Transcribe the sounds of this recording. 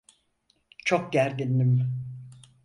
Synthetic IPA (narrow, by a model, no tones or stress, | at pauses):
t͡ʃʰok̚ɟæɾd̪inːim